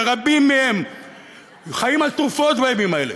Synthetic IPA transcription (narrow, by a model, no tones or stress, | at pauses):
ʁabimem | χajimat̪ʁufot̪baebimaele